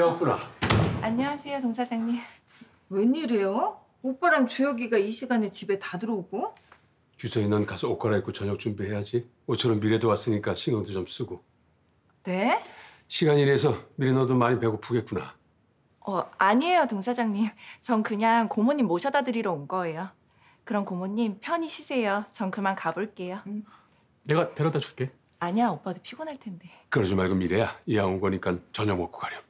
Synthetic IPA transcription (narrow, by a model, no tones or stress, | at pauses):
eʌk͈unaaɲʌasʰe̞jotoŋsʰad͡ʑaŋɲim | weɲiɾe̞jo | op͈aɾant͡ɕujʌɡiɡaiɕʰiɡanet͡ɕibe̞tadɯɾʌɡo | t͡ɕusʰʌinʌnkasʰʌok͈ʰaɾaek͈ot͡ɕʌɲʌk̚t͡ɕ͈umbiɦe̞jad͡ʑi | ot͡ɕʰʌɾʌmːiɾedowas͈ɯɲik͈aɕʰiŋʌŋdot͡ɕoms͈ɯɡo | ne̞ | ɕʰiɡaɲiɾes̬ʰʌmiɾenʌdomaɲipe̞ɡopuɡe̞t̚k͈una̰ | ʌaɲiejotoŋsʰad͡ʑaŋɲimt͡ɕʌŋkɯɲaŋkomoɲimːoɕʰʌdadɯɾiɾʌonɡʌe̞jo | kɯɾʌnkomoɲːimpʰjʌɲiɕʰisʰe̞jot͡ɕʌŋkʰɯmankaboɭk͈e̞jo | ne̞ɡateɾʌtd͈at͡ɕʰu̥ɭk͈e̞ | aɲiaop͈adopʰiɡonɦaɭtʰe̞nde̞kɯɾʌd͡ʑomaɭɡɯmːiɾejaijaonɡʌɲik͈ant͡ɕʌɲʌŋmwʌk͈o̥ɡaɾjʌ